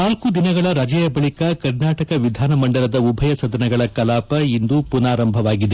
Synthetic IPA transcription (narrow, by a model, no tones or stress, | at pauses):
naːlkud̪inɐɡɐɭɐɾaːd͡ʒɐjɐbɐɭikɐkɐɾnaːʈɐkɐʋid̪ʱaːnɐmɐɳɖɐlɐd̪ɐubʱɐjɐsɐd̪ɐnɐɡɐɭɐkɐlaːpɐind̪upunaːɾɐmbʱɐʋaːɡid̪e